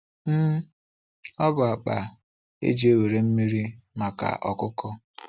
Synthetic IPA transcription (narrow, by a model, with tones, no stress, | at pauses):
m̩˦ | ɔ˦bʊ˨a˨k͡pa̰˨ | ḛ˦d͡ʒi˨˦e˦we˨ɾe˨m̩˦mi˦ɾi˦ma˨ka̰˨ʔɔ˨kʊ˦kɔ˦